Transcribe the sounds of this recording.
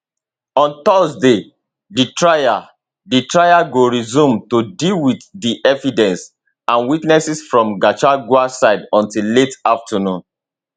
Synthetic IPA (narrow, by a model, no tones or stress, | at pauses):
ɔ̃ntɔsde | ditɹaja | ditɹajaɡoɹizũmtodilwiddiʔɛvidɛ̃ns | ãnwitnɛsisfɹɔ̃mɡat͡ʃaɡuasaɪdɔ̃ntilletaftʰanũn